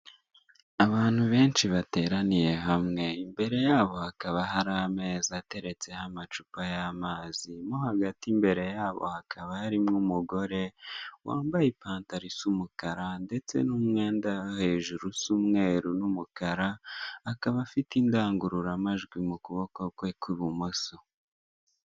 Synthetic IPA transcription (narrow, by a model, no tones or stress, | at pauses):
aβaːn̥huβe̞ːnʃiβate̞ːɾanije̞ɦamŋe̞imbe̞ɾe̞jaːβo̞hakaβaɦaɾame̞ːzate̞ɾe̞t͡se̞hamat͡ʃupajamaːzimoɦaɡatimbe̞ɾe̞jaːβo̞̰hakʰaβahaɾimŋumuɡo̞ɾe̞wʔa̰ːmbajipaːntaɾisumukaɾande̞t͡se̞̰numŋe̞ːndahe̞ʒuɾusumŋe̞ːɾunumukaɾaːkaβafitindaːŋɡuɾuɾamaʒɡwimukuβokokwekwiβumoso